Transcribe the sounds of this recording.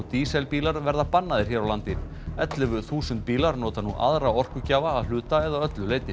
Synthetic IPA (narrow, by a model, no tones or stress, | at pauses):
t̪iːsɛlpiːlaɾvɛɾðapanːaðɪɾ̥çɛːɾawlant̪ɪ | ɛt̪lɪvʏθuːsʏnt̪̚piːlaɾnoːwt̪anuʔa̰ðɾawɔr̥kʏcaːvaːðl̥ʏːt̪aɛðaœt̪lʏleːjt̪ɪ